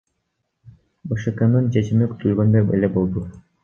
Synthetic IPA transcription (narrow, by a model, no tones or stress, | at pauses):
bɯʃɯkɤnɯnt͡ʃʰet͡ʃimiky̥t̪ʰylɡønd̪øɾbḛlebolˠd̪u